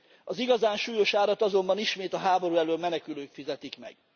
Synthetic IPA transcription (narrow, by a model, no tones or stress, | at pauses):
ɒziɡɒzaːnʃuːjo̞ʃaːlɒt̪ɒzo̞mbɒniʃmeːt̪ɒɦaːbo̞ɾuːɛløːmɛnɛkyløːkfizɛt̪ikmɛ̰ɡ̥